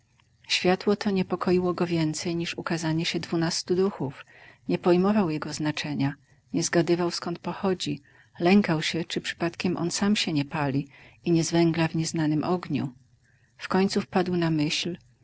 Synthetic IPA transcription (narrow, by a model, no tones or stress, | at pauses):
ɕfʲjat̪wɔt̪ʰɔɲɛpɔkʰɔjiwɔɡɔvʲjɛnt̪sɛjɲiʂukazaɲɛɕɛd̪vunast̪ud̪uxuf | ɲɛpɔjmɔvawjɛɡɔznat͡ʂɛɲa | ɲɛzɡad̪ɘvawskɔnt̪̚pɔxɔd͡ʑi | lɛŋkawɕɛt͡ʂɘpʂɘ̥pat̪kʲɛmʔɔ̰nsamɕɛɲɛpalʲiiɲɛzvɛŋɡlavɲɛznanɘmʔɔɡɲṵ | fkɔɲt̪sufpad̪wnamɘɕl